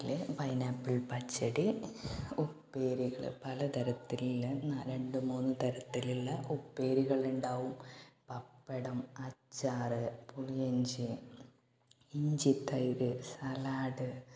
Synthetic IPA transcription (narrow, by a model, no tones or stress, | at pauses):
lpɐjnaːpːiɭpɐt͡ɕːɐɽi | upːeːɾiɣɐɭɨ̰pɐlɐt̪ɐɾɐt̪ːililnaɾe̞ɳɖɨmuːnːɨt̪ɐɾɐt̪ːiliɭːɐʔupːe̞ːɾiɣɐɭuɳɖaːʋumpɐpːeɽɐmɐt͡ɕːaːrɨpuɭijeɲd͡ʑɨ | iɲd͡ʑit̪ːɐjoɾɨsɐlaːɽɨ